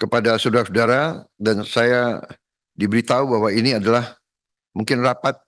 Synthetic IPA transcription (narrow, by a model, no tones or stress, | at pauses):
kəpadasudaɾasudaɾadansaja | dibəɾit̪aubaɦwainiadalah | muŋkɪnrapat̪̚